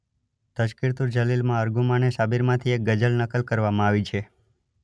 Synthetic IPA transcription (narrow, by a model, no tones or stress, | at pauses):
t̪əʃkiɾt̪uɾd͡ʒəlilmãəɾɡumãneʃabiɾmãt̪ʰiek̚ɡəd͡ʒəlnəkəlkəɾʋamãaʋit͡ʃʰe